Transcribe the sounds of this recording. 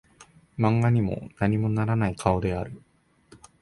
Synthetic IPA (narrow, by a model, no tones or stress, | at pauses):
mãŋɡaɲ̟imo̞̰naɲ̟imo̞naɾanaikʰao̞d̪e̞aɾɯ̟